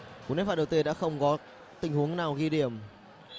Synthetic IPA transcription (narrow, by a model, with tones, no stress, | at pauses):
ku˧˨˩ne˨˦˥faː˧˩ɗə˨˩wt̪i˧ɗa̰ː˧˥xə˧wŋ͡mkɔ˨˦ | t̪ï˨˩ŋ̟hu˨˦əŋnaː˨˩wɣi˧ɗi˨˩əm